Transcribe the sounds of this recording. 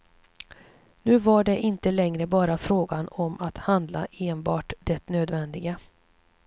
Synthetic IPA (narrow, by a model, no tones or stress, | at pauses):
nʉ̟ːvaɖɛʔɪnt̪əlɛŋɾəbɑːɾafɾoːɡanɔmʔat̪hand̪la̰ʔeːnbɑːʈd̪ɛt̪nøːd̪vɛnd̪ɪɡa